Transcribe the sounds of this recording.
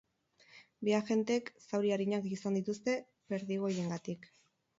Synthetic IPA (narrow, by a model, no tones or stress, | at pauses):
biaʝe̞nt̪eeksawɾiaɾiɲakisand̪it̪ust̪e̞ | βe̞ɾðiɣ̞o̞je̞ŋɡat̪ik